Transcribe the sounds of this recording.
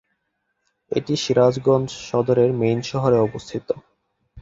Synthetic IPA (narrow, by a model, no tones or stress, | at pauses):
ḛʈiʃiɾad͡ʑɡɔnd͡ʑʃɔd̪oɾeɾmejnʃɔɦoɾeɔbost̪ʰit̪o